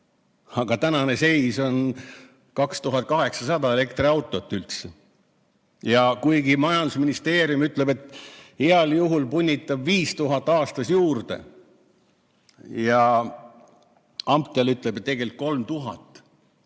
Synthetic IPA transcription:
ɑɡ̥ɑt̪ænɑne̞se̞jso̞n | kɑkst̪uɦɑt̪̚kɑɦe̞ksɑsɑd̪ɑe̞le̞kt̪riɑwt̪ˑo̞t̪ːˑylt̪se | jɑkujɡimɑjɑnd̪usminist̪e̞ːɾjumyt̪ˑle̞be̞t̪ːˑheɑljuɦulpunʲːit̪ːˑɑbviːst̪uɦɑt̪ːˑɑːst̪ɑsjuːrd̪̥e̞̰ | jɑ | ɑmpt̪ːˑelyt̪ˑlebet̪ːeɡe̞lik̪̚ko̞lmt̪uɦɑ̰t̪ːˑ

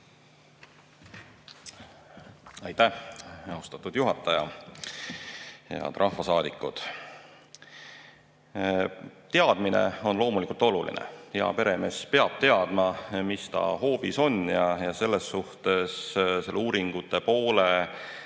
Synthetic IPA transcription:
ɑjt̪æhɑost̪ɑt̪ːˑud̪̥juɦɑt̪ːˑɑjɑ | jɑ̰t̪rʔɑhvɑsɑːd̪ikːˑṵd̪̥ | t̪e̞ɑd̪̥minḛo̞nlo̞ːmulikˑult̪ˑo̞lulḭnḛheɑ̰pe̞ɾe̞me̞spe̞ɑb̥̚t̪e̞ɑd̪̥mɑmist̪ɑ̰ho̞ːpiso̞njɑjɑse̞lːe̞sːuht̪e̞sse̞lːeuːɾiŋɡ̥ut̪ːˑe̞po̞ːle

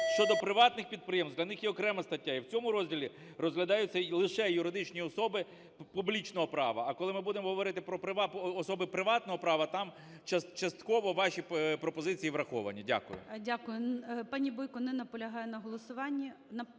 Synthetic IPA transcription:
ʃt͡ʃɔd̪ɔpɾɪʋɑt̪nɪxpʲid̪̚pɾɪjemsd̪ʲlʲɐnɪxjɛɔkɾɛmɐst̪ɐtʲːaiwt͡sʲɔmʊɾɔzʲdʲilʲi | rɔzɦlʲɐd̪ɑjʊt͡sʲːɐlˠɪʃɛjʊɾɪd̪ɪt͡ʃnʲiɔsɔbɪ | publʲit͡ʃnɔɦɔpɾɑʋɐːkɔlˠɪmɪbud̪emɔɦɔʋɔɾɪt̪ɪpɾɔpɾɪʋɑɔsɔbɪpɾɪʋɑt̪nɔɦɔpɾɑʋɐt̪ɑm | t͡ʃɐt͡ʃɐst̪kɔʋɔʋɑʃʲipɾɔpɔzɪt͡sʲijiʋɾɐxɔʋɐ̰nʲːɐdʲa̰kʊjʊ̰dʲakʊjʊpɑnʲibɔjkɔnɛnɐpɔlʲɐɦɑjɛnɐɦɔlˠɔsʊʋɑnʲːi | nɐ

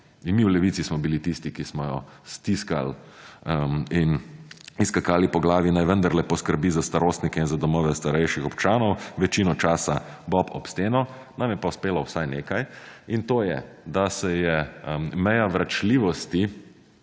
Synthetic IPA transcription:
inmiwlɛʋit̪sismɔbilit̪ist̪ikismɔjɔ̰st̪iska̰l | iniskakaːlipɔɡlaːʋinajʋənd̪aɾlɛpɔskəɾbizast̪aɾoːst̪nikɛinzad̪ɔmɔːʋɛst̪aɾɛjʃixɔpt͡ʃaːnɔwʋɛt͡ʃinɔt͡ʃaːsabɔpɔpst̪eːnɔ | namjɛpawspeːlɔwsajneːkajint̪oːjɛ̰ | d̪asɛjɛmɛjaʋɾat͡ʃliːʋɔst̪i

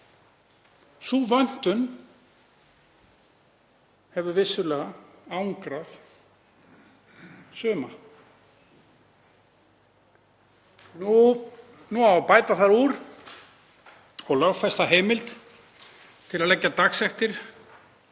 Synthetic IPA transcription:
suːvœn̥t̪ʏn | hɛvʏvɪsːʏlɛːɣaawŋkɾað | sʏːma | nu | nuapaːjt̪aθaɾuɾ̥ | ɔɣlœwfɛst̪aɦeːjmɪlt̪ | t̪ʰɪlaðlɛcːat̪aksɛht̪ɪɾ̥

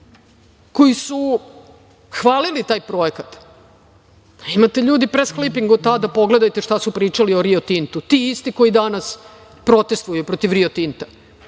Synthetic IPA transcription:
ko̞jisu | xʋaːlilit̪aːjpɾo̞ekat̪ | imat̪eʎuːd̪ipɾesklipiŋɡot̪ad̪apo̞ɡle̞d̪ajt̪eʂt̪asupɾiːt͡ʃalio̞ɾiot̪int̪ut̪iːist̪iko̞jid̪anas | pɾo̞t̪e̞st̪vuajupɾo̞t̪iʋɾiot̪int̪ḁ

